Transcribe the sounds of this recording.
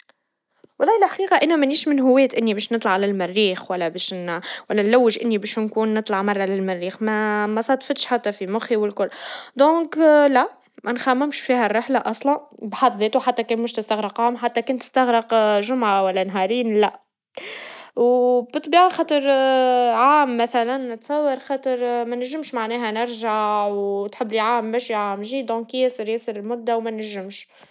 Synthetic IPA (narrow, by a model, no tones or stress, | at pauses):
wɑlˤːɑːhlħaqiːqɑʔɪnːæmæniːʃmɪnɦʊwːɛːt̪ʔɪnːibɛːʃnɨt̪ˤlɑʕlælmɪrːiːxwælːæbɛːʃnwælːænlæwːɪʒʔɪnːibɛːʃnkuːnːɨt̪ˤlɑʕmɑrˤːɑlɪlmɪrːiːxmæmæsˤɑt̪ˤfɪt̪ʃħat̪ːæfimʊxiwɪlkʊlːd̪ɔ̃ːklæ | mʔænxæmːɪmʃfiːhærːɪħlaʔɑsˤlɑnbħɑt̪ˤðeːt̪uħat̪ːækɛːnmʊʃt̪əst̪aɣɾɑqːaːmħat̪ːækɛnt̪ːə̥st̪ɑɣɾəqʒʊmʕawælːænɦɑɾiːnlæ | wbət̪ˤbiːʕaxɑːt̪ˤəɾˤ | ʕaːmːæθælænt̪sæwːɑɾˤxɑːt̪ˤəɾˤmænæʒːɪmʃmaʕnɛːɦænɪɾʒaʕwt̪ħɪbːliʕaːmːæʃiʕaːmʒid̪ɔ̃ːkjɪsəɾjɪsəɾɪlmʊd̪ːæwmænæʒːɪmʃ